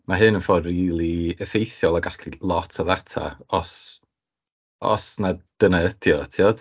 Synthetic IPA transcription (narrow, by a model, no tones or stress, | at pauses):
maɦɨnənfɔdriːlˠiəfejθjɔlˠaɡaskrilˠɔtʰɔðatʰa̰ɔs | ɔ̰snad̥ənəədjɔtʰiɔd̥